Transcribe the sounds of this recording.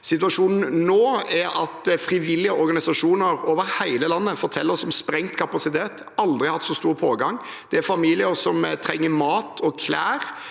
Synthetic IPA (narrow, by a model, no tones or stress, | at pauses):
sɪt̪ʉɑʂuːnn̩noːæɾɑt̪fɾɪʋɪlːɪəɔɾɡɑnɪsɑʂuːnəɾoːʋəɾhæɪləlɑnːəfɔɾt̪ʰɛlːəɾɔsɔmspɾɛŋt̪kʰɑpɑsɪt̪ʰeːt̪ | ɑld̪ɾɪhɑt̪ːsɔst̪uːɾpʰoːɡɑŋ | d̪̥ɛæɾfɑmiːlɪəɾsɔmt̪ʰɾɛŋːəmɑːt̪ʰɔkʰlæːɾ